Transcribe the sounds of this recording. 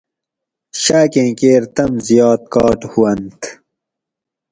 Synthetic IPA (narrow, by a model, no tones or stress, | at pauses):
ɕaːkẽːkeːɾt̪ɐmzijɑːt̪̚kɑːʈhuwɐnt̪